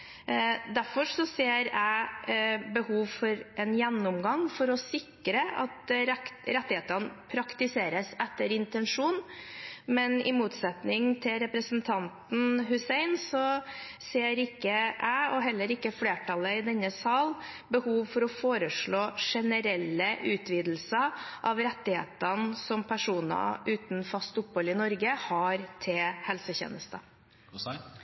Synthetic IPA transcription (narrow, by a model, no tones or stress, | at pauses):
d̪æɾfɔʂɔseːɾæɪ | bəhuːʋfɔɾʔɛnjɛnːʊmɡɑŋfɔɾɔsɪkɾəɑ̰t̪ | ɾɛt̪ːɪheːt̪əɾnəpʰɾɑkt̪ɪseːɾəsɛt̪ːəɾɪnt̪ɛnʂuːnmɛnɪ̰muːt̪sɛt̪nɪŋt̪ʰɪlɾɛpɾəsənt̪ʰɑnt̪n̩ɦʉsɛɪnsɔ | seːɾɪkːəʔæɪɔɦɛlːəɾɪkːəfleːʈʰɑləɪd̪ɛnːəsɑːl | bəhuːʋfɔɾɔfoːɾəʂɭoːʂɛnəɾɛlːəʔʉːt̪ʰʋiːd̪l̩səʔɑʋɾɛt̪ːɪhḛːt̪ənsɔmpʰæʂuːnə̰ʔʉːt̪n̩fɑst̪ʊpːhɔlɪnɔɾɡəhɑɾt̪ʰɪhɛlsəçḛːnəst̪ə